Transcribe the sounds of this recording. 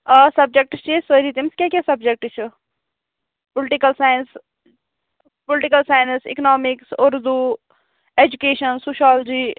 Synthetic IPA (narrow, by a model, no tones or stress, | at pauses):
əsɐb̚d͡ʒek̚ʈt͡ʃʰisəɾit̪imskʲjakʲasɐb̚d͡ʒek̚ʈt͡ʃʰu | pʊlʈikəlsaːjəns | pʊlɪʈikəlsaːjnsḭknɔːmiksʊɾd̪u | ed͡ʒukeːʃənsuːʃaːld͡ʒiː